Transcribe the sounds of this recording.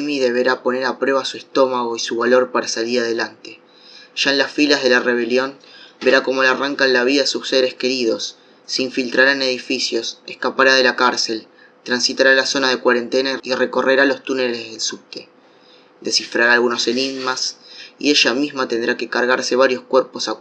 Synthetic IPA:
miðeβe̞ɾapo̞neɾapɾwe̞β̞asuest̪o̞maɣo̞isuβalo̞ɾpaɾasaliɾaðe̞lant̪e̞ | ʒ̥aenlasfilaɦð̞e̞lare̞βe̞ljo̞nbe̞ɾako̞mo̞laraŋkanlaβiðaesusse̞ɾeske̞ɾiðo̞sː | eiɱfilt̪ɾaɾaene̞ð̞ifisjo̞sehskapaɾað̞e̞lakaɾse̞l | t̪ɾansit̪aɾalaso̞nað̞ekwaɾe̞nt̪e̞naire̞ko̞re̞ɾalo̞st̪une̞le̞zðe̞lsup̚t̪e | d̪e̞sifɾaɾaːlɣuno̞se̞niɣmasḭe̞ʃamizmat̪e̞nd̪ɾake̞kaɾɣaɾse̞β̞aɾjo̞skweɾpo̞sa

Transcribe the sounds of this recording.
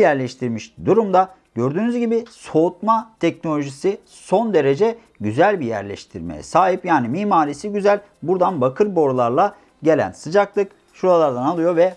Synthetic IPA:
jæɾlʲɛʃt̪ʰiɾmiʃd̪uɾumd̪a | ɟø̞ɾd̪yːnyzɟibiso̞ut̪̚mat̪ʰɛcnolʲo̞ʒisi | so̞nd̪e̞ɾe̞d͡ʒɛ | ɟyzælʲbijæ̰ɾlʲɛ̰ʃt̪ʰiɾmḛjɛ̰saːɦipjaːnimiːmaːɾisiɟyzælʲ | buɾd̪anbakʰɯɾbo̞ɾlˠaɾlˠa | ɟe̞lʲæ̰nsɯd͡ʒaklˠɯk | ʃuɾalˠaɾd̪analˠɯjo̞vɛ

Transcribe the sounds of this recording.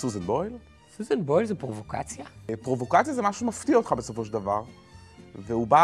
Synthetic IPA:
suzenbojl | suzenbojlzepʁovoka̰t͡sjapʁovo̞kat͡sjazemaʃumaft̪iaot̪χabesofoʃ̬ld̪avaʁ | veuba

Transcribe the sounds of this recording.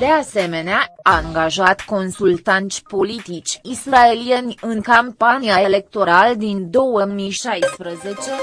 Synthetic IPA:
d̪e̞ase̞me̞neaaŋɡaʒat̪ko̞nsult̪ant̪sʲpo̞lit̪it͡ʃʲisɾae̞lijenʲɨŋkampanijaele̞k̚t̪o̞ɾald̪ind̪o̞wəmiʃajspɾəze̞t͡ʃe̞

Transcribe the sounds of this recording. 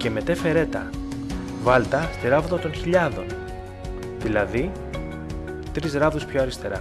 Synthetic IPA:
ce̞me̞t̪e̞fe̞ɾe̞t̪ɐ̰ | vɐlt̪ɐst̪iɾɐvðot̪o̞nçiʎɐðo̞n | ðilɐði | t̪ɾizɾɐvðuspçoɐɾist̪e̞ɾɐ

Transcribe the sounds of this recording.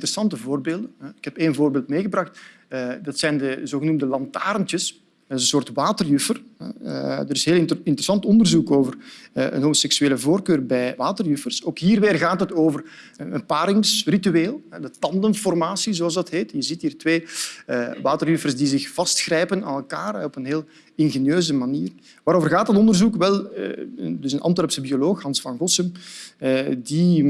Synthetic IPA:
təɾəsɑntəvoːrbeːlˠdəɦɛɪkɛpeːnvoːrbeːlˠtmeːɣəbrɑxt | ədɑtsɛjndəzoːɣənumdəlɑntaːɾəntjəs | ɛdɪzənsoːrtʋaːtərjʏfərɦɛ̰ə̰dəɾɪsɦeːlˠɪntəɾəsɑntɔndərzukoːvərʔə̰nɦomosɛksyeːləvoːrkøːrbɛjʋaːtərjʏfərsoːkɦiːrʋeːrɣaːtɦətoːvərɛənpaːɾɪŋsrityeːlˠɦɛdətɑndənfɔrmaːsizoɑlˠzdɑtɦeːtjəzitɦiːrtʋeːəʋaːtərjʏfərzdizɪxv̥ɑstxrɛjpəna̰ːnɛlˠkaːrɛɔpənɦeːlˠ | ɪnɣenjøːzəmaniːr | ʋaːɾoːvərɣaːt̚dɑtɔndərzukʋɛl̰ˠədɵsənʔɑ̰mtɛɾpsəbioloːxɦɑnsfɑnɣɔsəm | di

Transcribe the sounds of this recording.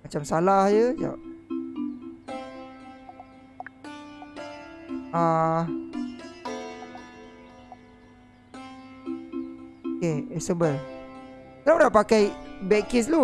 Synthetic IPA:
mat͡ʃamsalahjəd͡ʒa̰ʔ | a | okeɛsəbəl | awnaʔpakajbɛkes̬lo

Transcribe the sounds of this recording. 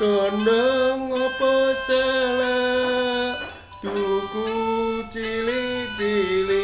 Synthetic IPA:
k̪ɔndɔŋɔpɔsela | d̪̥ukut͡ʃilid͡ʒili

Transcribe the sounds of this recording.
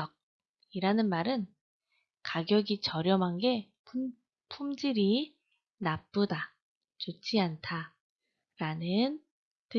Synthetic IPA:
ʌk̚ | iɾanɯnmaɾɯn | kaɡjʌɡit͡ɕʌɾjʌmɦanɡe̞ | pʰu | pʰumd͡ʑiɾi | nap͈̚uda | t͡ɕot͡ɕʰiantʰa | ɾanɯn | tɯ

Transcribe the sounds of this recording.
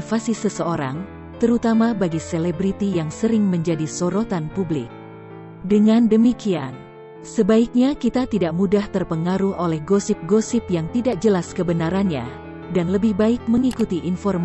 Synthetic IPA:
fasisəsəoɾa̰ŋ | t̪əɾut̪amabaɡiselebɾit̪ijaŋsəɾɪŋməɲd͡ʒadisoɾot̪anpublɪ̰k̚ | dəŋandəmikian | səbaik̚ɲakit̪at̪idaʔmudaht̪ərpəŋaɾuhʔolɛhɡosɪp̚ɡosɪpjaŋt̪idak̚d͡ʒəlaskəbənaɾanɲa̰ | danləbɪhbaɪk̚məŋikut̪iʔːnfɔrm

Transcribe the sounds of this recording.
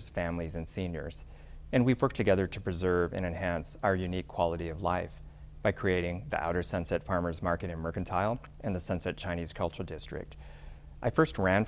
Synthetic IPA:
z̥fæ̃mlizɨ̃nsĩnjə̰˞z̥ | ɨ̃nwiwɜ˞k̚tʰɨɡɛðə˞ɾɨpʰɹ̥ɨzɜ˞vɨ̰̃ñɨ̃nhæ̃nsaʊə˞jʉnikʰw̥ɑlˠəɾiʌvla̰ɪf | b̥aɪkʰɹ̥ieɪɾɪ̃ŋðḭʔa̰ʊɾə˞sʌ̃nsɛtfɑɹmə˞zmɑɹkɨɾɨ̃nmɜ˞kɨ̃n̩tʰaɪlˠ | ʔɨ̃nðɨsʌ̃nsɛt̚t͡ʃʰãɪñiz̥kʰʌlˠt͡ʃəɹl̩ˠdɪstɹ̥ɪ̰k̚t | ʔaɪfɜ˞st̚ɹæ̃n

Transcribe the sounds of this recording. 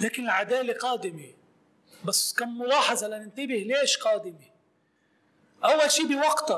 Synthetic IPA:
laːkɪnɪlʕad̪aːleqɑːd̪ɪme | basːkanmʊlɑːħɑzˤɑlanɪnt̪ɪbɪhleːʃqɑːd̪ɪme | ʔawːalʃiːbɪwɑqt̪ɑ

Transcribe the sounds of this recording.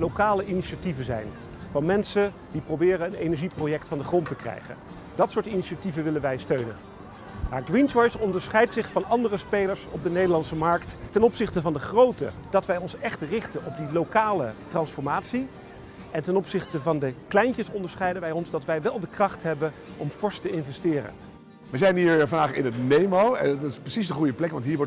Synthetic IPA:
lokaːləʔiniʃativənzɛ̰jn | vɑnmɛnsə | diprowbɪːrəənejnɛɹʒiprowjɛk̚tfɑndəχrɔntəkrɛ̰jχə̰n | d̥ɑtsʊːɹtiniʃativənʋɪlənʋɛjstøɥnə̰n | maːɹɡɹint͡ʃɔjsɔndəɹsχɛjtsɪχfɑnɑndərəspejləɹsɔ̰b̚dənejdəɹlɑnsəmɑɹkttɛnɔpsɪχtəvɑndəχrowtə̰d̥ɑtʋɛjɔnsɛχtrɪχtənɔb̚dilokaːlətrɑnsfɔɹmaːtsi | ɛntɛnɔpsɪχtəvɑndəklɛjncəsɔndəɹsχɛjdənʋɛjɔnzdɑtʋɛjʋɛlˠdəkrɑχtɦɛbənʔɔmfɔɹstəɪnvɛstɪːrə̰n | ʋɛzɛjnɦiːɹvɑndaːχɪ̰nətnejmowɛɪsprəsisdəχujəplɛkʋɑntɦiːɹʋɔɹ

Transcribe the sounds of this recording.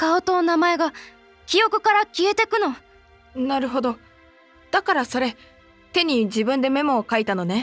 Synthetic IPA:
kaot̪oːnamae̞ɡa | kʲijo̞kɯ̟kaɾakʲie̞t̪e̞kɯ̟no̞ | naɾɯ̟ɦo̞d̪o̞ | d̪̥akaɾaso̞ɾe̞ | t̪e̞ɲ̟id͡ʑibɯ̟̃nd̪e̞me̞mo̞kait̪ano̞ne̞

